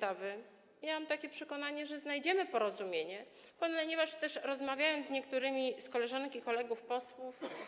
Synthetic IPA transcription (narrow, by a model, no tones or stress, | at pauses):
avɘ | jamamt̪akʲɛpʂɛkɔnaɲɛʐɛznajd͡ʑɛmɘpɔɾɔzumʲjeɲɛ | pɔnɲɛvaʂt̪ɛʂɾɔzmavʲjajɔnd̪ɲɛkt̪uɾɘmʲiskɔlɛʐaŋkʲikɔlɛɡufpɔswuf